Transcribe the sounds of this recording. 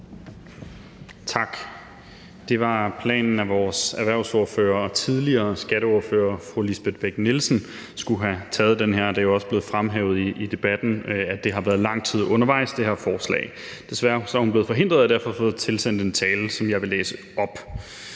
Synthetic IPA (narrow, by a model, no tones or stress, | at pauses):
t͡sʰɑ̈ɡ̥ | d̥e̝ʋɑ̈pʰlɛ̰ːnn̩æʋɒːsæɐʋæɐ̰ʊso̝ɐfø̰ːɐɒ̽t͡sʰiðˠliɐːsɡ̥æɾəoɐfø̰ːɐfʁulisb̥e̝d̥b̥eɡ̥nelsn̩ | sɡ̥uɦæt͡sʰɛːð̩ˠd̥enɦeɐ̰d̥ɑ̈joɒ̽səb̥le̝ːð̩ˠfʁamɦɛːʊð̞̩ˠiid̥e̝b̥æd̥n̩æd̥e̝ɦɑ̈ʋæːɐðˠlɑ̈ŋ̰t͡sʰið̞̰ˠɔ̽nɐʋɑ̈ɪ̰sd̥e̝ɦeɐfɒːslɛ̰ːɪ | d̥e̝sʋæːɐsɒæhunb̥le̝ð̩ˠfɒ̽ɦe̝n̰d̥ʁɐð̞̩ˠædæɐ̰fɒ̽fɔ̽ːðˠt͡sʰe̝lsen̰d̥e̝nt͡sʰɛːləsɒ̽mjɑ̈ɪʋe̝leːsə | ɒ̽b̥